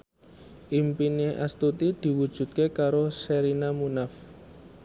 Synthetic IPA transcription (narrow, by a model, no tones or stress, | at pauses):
ʔimpineʔa̰st̪ut̪id̪̥i̤wud̥ʒ̥ṳt̪̚kekaɾoseɾinamunaf